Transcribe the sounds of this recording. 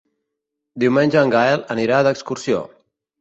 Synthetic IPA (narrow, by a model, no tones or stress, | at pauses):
d̪iwmenʲʒəːŋɡaeləniɾaðəkskuɾsio̰